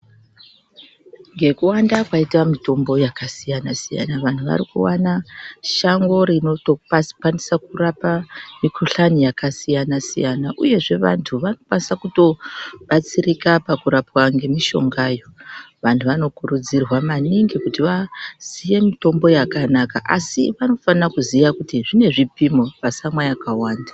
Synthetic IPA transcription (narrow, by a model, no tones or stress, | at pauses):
ŋɡe̞kuwandakwaitwamito̞mbo̞jakasijanasija̰naʋantʰuʋa̰ɾikṵwanaʃaŋɡo̞ɾino̞tokwanisakurapamikʰoɬanijakasijanasḭjanaʔuje̞ʐe̞ʋa̰ntʰuʋano̞kwanisakuto̞ɓat͡sirikapakuɾapwaŋɡe̞miʃo̞ŋɡaːjo̞ | ʋantʰuʋano̞kuɾud͡zirwamaniŋɡikutiʋaz̥ije̞mito̞mbo̞jakanaka̰ʔasiʋano̞fanakuzijakutiʐine̞ʐipimoʋasamwajakawaːndḁ